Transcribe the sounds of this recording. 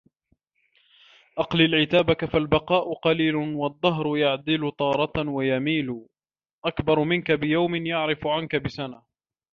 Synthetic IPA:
ʔɑqlɪlʕɪt̪aːbakafalbɑqɑːʔʊqɑliːlʊwɑd̪ˤːɑɦɾʊjaʕd̪ɪlʊt̪ˤɑːɾˤɑt̪wajamiːlʊ | ʔakbɑɾˤmɪnkabɪjawmɪnjaʕɾɪfʊʕankabɪsana

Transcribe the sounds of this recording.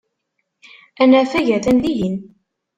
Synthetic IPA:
ænæfæʝæθænd̪iʝin

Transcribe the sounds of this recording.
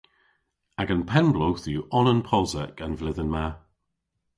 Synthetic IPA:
aɡənpʰɛnblowθjuʔɔnənpʰɔzəkənvlɪðənma

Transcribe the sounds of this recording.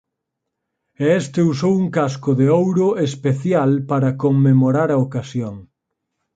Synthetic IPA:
ɛɛst̪eusowuŋkaskʊðeowɾʊespeθjalpaɾɐkoŋmːemoɾaɾɐokasjoŋ

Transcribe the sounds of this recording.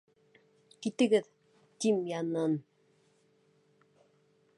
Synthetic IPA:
kit̪ɘ̆ɣɘð | t̪imjanon

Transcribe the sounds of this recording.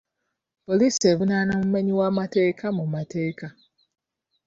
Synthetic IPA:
poliseβunanãm̩meɲĩwamatekʰamũmateːka

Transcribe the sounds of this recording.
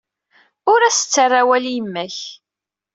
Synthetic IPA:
ʊɾæsə̥t͡sːarˤːawæljimːæç

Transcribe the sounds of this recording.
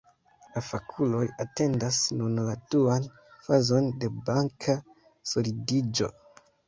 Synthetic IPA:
lafakʰulo̞jate̞ndasnunladuan | fazo̞nde̞baŋkʰa | solidid͡ʒo̞̰

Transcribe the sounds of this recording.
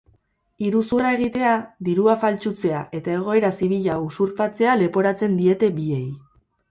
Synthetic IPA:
iɾusurae̞ɣ̞it̪e̞ad̪iɾuafalt͡ʃut͡se̞aʔe̞t̪ae̞ɣ̞o̞e̞ɾasiβ̞iʎausuɾpat͡se̞ale̞po̞ɾat͡se̞nd̪ie̞t̪e̞bie̞j

